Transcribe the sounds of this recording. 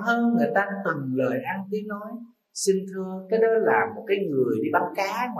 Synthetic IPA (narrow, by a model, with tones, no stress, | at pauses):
həː˧nŋɨ˨˩əjt̪aː˧t̪ɨ˨˩ŋləː˨˩jʔa˧nt̪i˨˦əŋnɔ˨˦j | sï˧ŋ̟t̪ʰɨ˧əkaː˨˦jɗɔ˨˦laː˨˩mo˨˩t̚kaː˨˦jŋɨ˨˩əjɗi˧ɓa˨˦wkaː˨˦ŋw